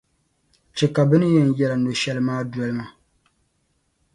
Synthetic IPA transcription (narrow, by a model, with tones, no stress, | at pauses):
t͡ʃɛ˨ka˨bɨ˦nɨ˦jɛ˨n˨jɛ˦la˨no˨ʃɛ˦lɨ˦maː˦dɔ˨˦lɨ˦ma˨